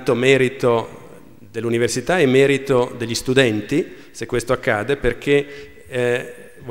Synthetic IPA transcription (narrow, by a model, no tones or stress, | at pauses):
t̪omɛːɾit̪o | d̪elːuniversit̪aemːɛːɾit̪od̪eʎːist̪ud̪ɛnt̪i | sekːwest̪oakːaːd̪eperk̟ʰe | v